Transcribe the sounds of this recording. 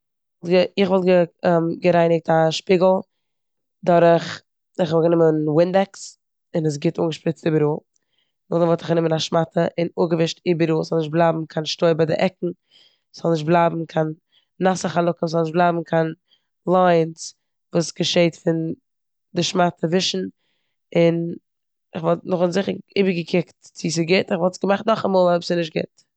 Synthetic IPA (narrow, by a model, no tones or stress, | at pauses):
vɔlˠtɡəɪχvɔlˠt̚ɡəmɡəɾaɪnɪk̚taʃpiːɡl̩ˠ | dɔɾəχ | ɪχɔvɔblɡənɪmənwɪndɛks | ɪnəs̬ɡɪtuːŋɡəʃpɾɪt͡stɪbəɾuː | nɔdəvɔlˠtɪχɡənɪmənaʃmatʰəʔɪnuɡəvɪʃtɪbəɾuːzɔlˠnɪʃt̚blˠaːbm̩kʰanʃtoɪbadɪ̰ʔɛkŋ̩ | sz̥ɔlˠnɪʃ̬t̚blˠaːbm̩kʰanː | asəχalˠʊkəszɔlˠnɪʃt̚blˠaːbm̩kʰan | lˠaɪns | vuːsɡ̥əʃeɪtfɪn | dɪʃmatʰəvɪʃn̩ | ɪn | ɪχvɔlˠtnʊχnzɪχəɾḭːbəɾɡəkʰɪktt͡sis̬ɪɡɪtɪχvɔlˠtsɡəmaχtnɔχamoːlˠɔɪbsɪnɪʃ̬t̚ɡɪ̰t